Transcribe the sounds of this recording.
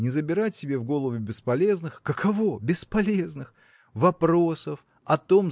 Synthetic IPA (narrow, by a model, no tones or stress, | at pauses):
nʲɪzəbʲɪɾatʲtʲːɪbʲe̞vɡo̞lˠəvʊbʲɪspɐlʲe̞znɨxkəkʰɐvo̞bʲɪspɐlʲe̞znɨx | vɐpɾo̞səf | ɐt̪o̞m